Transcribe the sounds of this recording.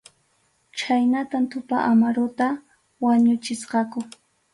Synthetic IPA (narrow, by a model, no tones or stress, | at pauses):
t͡ʃajnat̪ant̪ʊpaʔamaɾʊt̪a | waɲʊt͡ʃɪsqɑkʊ